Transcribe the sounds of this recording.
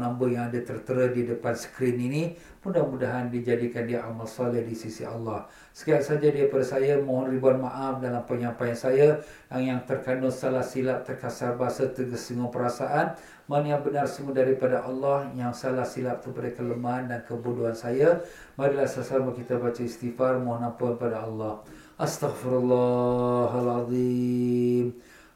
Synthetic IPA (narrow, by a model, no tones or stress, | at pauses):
nambəjaŋadat̪ərt̪əɾədidəpansə̥kɾinini | mudahmudaɦandid͡ʒadikandiaʔamalsɔlɪhdisisiɑlːɑh | sə̥kiak̚sad͡ʒadaɾipadasajamɔ̃ɦɔnribuanmaʔafdalampəɲampajansaja | aŋjaŋt̪ərkanʊsalahsilap̚t̪ərkasarbasət̪əɡəsəŋupəɾasaʔan | manjaŋbənarsəŋudaɾipadaʔɑlːɑhjaŋsalahsilap̚t̪upadakələmandankəbuduɦansaja | maɾilahsasamakit̪abat͡ʃaist̪ifarmɔ̃ɦɔnampuanpadaɑlːɑh | ʔast̪aɣfiɾalːɑɦalɑðˤi | m